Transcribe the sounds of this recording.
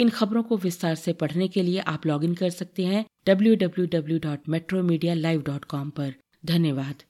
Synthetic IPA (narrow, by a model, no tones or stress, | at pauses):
ɪnxɐbɾõkoʋɪst̪aːɾsepɐɽ̤nekelieʔaːplɔːɡɪ̃ŋɡkɐɾsɐk̚t̪eɦɛ̃ɖ̥ɐbljuɖɐbljuɖɐbljuɖɔːʈmɛːʈɾomiːɖijalaːɪʋɖɔːʈkɔːmpɐɾ | d̪ʱɐnjəʋaːd̪